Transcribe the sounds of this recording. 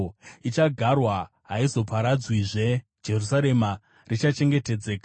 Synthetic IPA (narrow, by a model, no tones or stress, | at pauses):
it͡ʃaɡʱarwa | ɦaizo̞pʰaɾad͡zwiʐe̞ | d͡ʒe̞rusaɾe̞ma | rit͡ʃat͡ʃe̞ŋɡe̞te̞d͡ze̞ːka